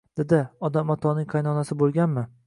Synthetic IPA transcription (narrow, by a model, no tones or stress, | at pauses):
d̪̥ed̪ɪɒd̪amɒt̪ʰɒnɪŋqʰɑjnɒnasɪbolˠɡʲanmɪ